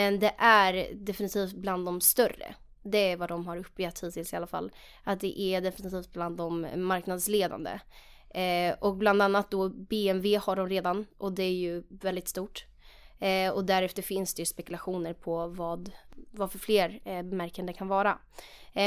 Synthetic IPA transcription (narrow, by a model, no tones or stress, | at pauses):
ɛnd̪ɛʔæɾd̪ɛfɪnɪt̪ʰiːft̪̚bland̪ɔmst̪œɾːə̰ | d̪ɛæɾvad̪ɔmɦaɾɵpːjɛt̪ʰːiːt̪ʰɪlsɪalːafa̰lː | at̪̚d̪ɛ̰ʔæɖ̪ɛfɪnɪt̪ʰiːft̪̚bland̪ːɔmːaɾknad̪sleːd̪a̰nd̪ə̰ | ʔɔk̚bland̪anːat̪̚d̪ɔbeːɛnveːhaɖɔmɾeːd̪anʔɔd̪ɛæɾjɵvɛld̪ɪt̪st̪uːʈ | ɔd̪æɾɛft̪əɾfɪnsd̪ɛjɵspɛkɵlaɧuːnəɾpʰɔvɑːd̪vafœɾfleːɾbɛmæɾkənd̪əkʰanvɑːɾa